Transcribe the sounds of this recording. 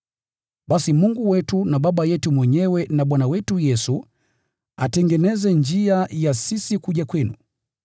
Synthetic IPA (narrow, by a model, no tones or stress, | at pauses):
ɓasimuŋɡuwɛtunaɓaɓajɛtumwɛɲɛwɛnaɓwanawɛtujɛsu | atɛŋɡɛnɛzɛnd͡ʒiajasisikuʄakwɛnṵ